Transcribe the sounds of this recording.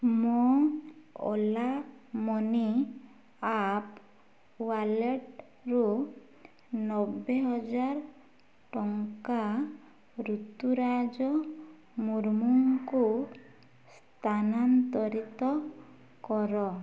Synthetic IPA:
mɔ | ɔ̰lamɔni | ap | waleʈ | ɾu | nɔbeɦɔd͡ʒaɾ | ʈɔŋka | ɾut̪uɾad͡ʒɔ | muɾmuŋku | s | t̪ʰanant̪ɔɾit̪ɔ | kɔɾɔ

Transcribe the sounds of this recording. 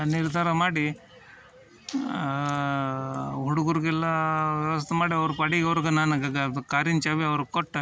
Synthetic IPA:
niɾd̪ʱaːɾɐmaːɽi | ɦuɽuɡuɾɡɛlːɐʋɐʋɐst̪ʰemaːɽiɐʋɾupɐɽiɡɐʋɾɡɐnaːnukaːɾint͡ʃaːʋiɐʋɐɾukɔʈː

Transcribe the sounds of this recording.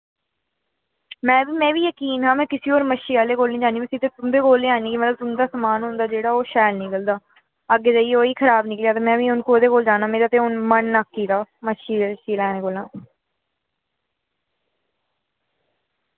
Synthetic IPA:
mɛ̃ːbiːmɛ̃ːʋiːjəkiːnɦãːmɛ̃ːkɪsiːoːɾməʃiːaːleːkoːlnĩːd͡ʒaːniːməsit̪eːt̪ʊmd̪eːkoːleːaːniːkiːmət̪ləb̚t̪ʊmd̪aːsəmaːnɦʊ̃nd̪aːd͡ʒeːɽaːoːʃaːjlnĩːɡəld̪aː | əɡːeːd͡ʒaːieoːiːkʰəɾaːbnɪklejaːt̪eːmɛ̃ːʋiːʊnkoːd̪eːkoːld͡ʒaːnaːmeːɾaːt̪eːʊnmənːakːiːt̪aːməʃiːʃiːlaːnẽːkoːlãː

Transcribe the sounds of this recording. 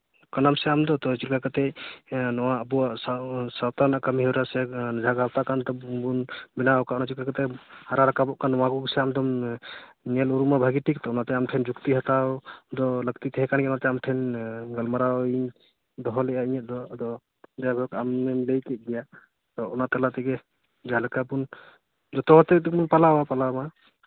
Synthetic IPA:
kanamsɛamd̪ɔt̪ɔt͡ʃilkakat̪ɛnɔwaːbuassawt̪anakamɦɛwɾasɛd͡ʒʱaɡawt̪akant̪ɔbunbinaɔkaʔɔnat͡ʃilkakt̪ɛhaɾaɾakabɔʔkanːɔwaɡuɡsɛamd̪ɔm | nɛluɾumabʱaɡiʈʰik̚t̪ɔunat̪ɛamʈʰɛnd͡ʒukt̪iɦat̪ad̪ɔləkt̪it̪ʰɛɦɛkankɛnat̪ɛamʈʰɛnɡəlmaɾaɔiɲ | d̪ɔɦɔlɛʔaiɲɛʔ̚d̪ɔd̪ɔ | dɛabʱɔkamːɛlejkɛʔ̚ɡija | t̪ɔunat̪ɛlat̪ɛɡɛ | d͡ʒaalakabun | d͡ʒɔt̪ɔɦɔt̪ɛt̪ɛkmunpalawapalama

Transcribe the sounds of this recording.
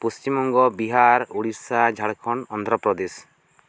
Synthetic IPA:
pust͡ʃimɔŋɡɔbiɦaɾuɽiɾsad͡ʒʱaɽkʰɔɳɔnd̪ʱɾɔpɾɔd̪es

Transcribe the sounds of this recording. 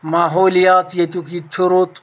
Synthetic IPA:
maːɦoːlijaːt̪jɐt̪ukit͡ʃʰuɾot̪

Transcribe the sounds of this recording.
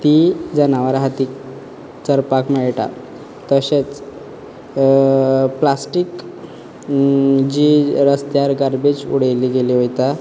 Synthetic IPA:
t̪id͡zənaʋaɾɦat̪ik | t͡səɾpakmeɭʈa̰ | t̪əɕet͡s | plasʈik | d͡ʑiɾəst̪jaɾɡaɾbed͡ʑṵɽejliɡeliɦojt̪a

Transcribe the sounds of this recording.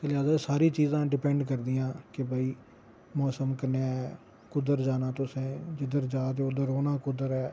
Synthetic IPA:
əlɪjaːzasaːɾiːt͡ʃiːzãːɖɪpɛ̃ɳɖkəɾd̪ijãːkɪbaːiː | mɔːsəmkənaɛ | kʊd̪əɾd͡ʒaːnaːt̪ʊsẽːd͡ʒɪd̪əɾd͡ʒaːt̪̬eːʊd̪əɾoːnãːkʊd̪əɾɛː

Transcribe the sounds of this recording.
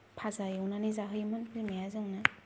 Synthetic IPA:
pʰazajɯwnanizaɦɯjmɯnpʰɯlmejazɯŋna

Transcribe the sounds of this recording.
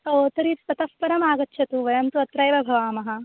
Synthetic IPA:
ɐt̪ɐɾisɐt̪ɐspɐɾɐmaːɡɐtːʃʰɐt̪uʋɐjɐmt̪uɐt̪ɾɐjʋɐbʱɐʋaːmɐɦɐ

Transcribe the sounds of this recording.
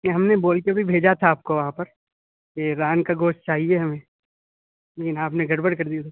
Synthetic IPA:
keɦɐmneboːlkebʱibʱeːd͡ʒat̪ʰaːp̚koʋɐɦãpɐɾ | keɾaːnkaɡoːʃt̚t͡ʃaːɦieɦɐmẽː | leːkɪnaːpneɡʱɐɾbəɽkɐɾd̪iat̪ʰa

